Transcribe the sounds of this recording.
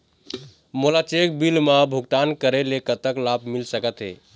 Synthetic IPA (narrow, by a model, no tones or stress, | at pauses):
molat͡ʃekbilmabʱuɡʈ̪ankəɾelekət̪əklabʱmilsəkət̪ɦḛ